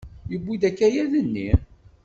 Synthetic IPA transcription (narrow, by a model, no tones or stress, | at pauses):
jəbːiðækːæjæðənːi